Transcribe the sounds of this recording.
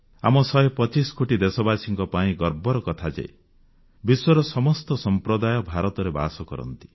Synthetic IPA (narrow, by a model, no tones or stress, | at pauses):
a̰mɔsɔjpɔt͡ʃiskoʈid̪esɔbasiŋkɔpaĩɡɔɾbɔɾɔkɔt̪ʰad͡ʒa̰e | biswɔɾɔsɔmɔst̪ɔsɔmpɾɔd̪ajɔbʱaɾɔt̪ɔɾeba̰sɔkɔɾɔ̰nt̪i̥